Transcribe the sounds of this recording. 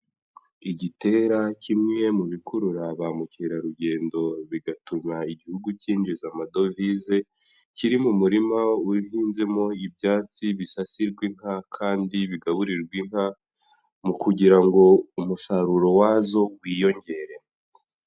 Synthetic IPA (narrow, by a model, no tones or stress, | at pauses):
iɟite̞ɾacʰimŋe̞muβikʰuɾuɾaβaːmuciɾaɾuɟe̞ːndo̞βiɡatumaiɟihuɡuciːnd͡ʒizamado̞vize̞ | ciɾimumuɾimauɦiːnze̞mo̞ibjaːt͡siβisasiɾɡwiŋ̥hakʰaːndiβiɡaβuɾiɾɡwiŋ̥ha | mukuɟiɾaŋɡo̞umusaɾuɾo̞wazo̞wiːjo̞ɲɟe̞ɾe̞